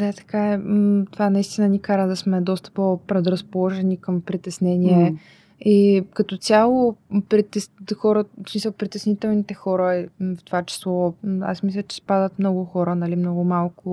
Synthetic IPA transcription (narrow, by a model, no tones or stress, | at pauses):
d̪at̪ɐ̥kaɛt̪ovanɐist̪inənikaɾəd̪ɐsmɛd̪ɔst̪ə̥popɾɛd̪ɾɐspolˠɔʒɛnʲikəmpɾit̪ɛsnɛnʲiɛ | ikɐt̪ɔt̪ʲjalˠʊpɾit̪ɛsxɔɾəsmisəlˠpɾit̪ɛsnit̪ɛlˠnit̪ɛxɔɾəift̪ovat͡ʃɛ̥slˠɔa̰smislʲɐt͡ʃɛ̥spad̪ət̪mnɔɡʊxɔɾənɐlimnɔɡʊmalˠkʊ